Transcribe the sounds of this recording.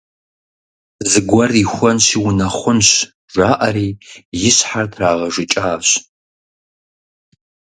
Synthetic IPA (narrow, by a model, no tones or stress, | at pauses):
zɨɡʷɐrixʷɔnʃiwʊnɐχʷʊnɕ | ʒʷaːʔɐɾiːjɪɕħartʰraːʁɐʒɪt͡ʃʼaːɕ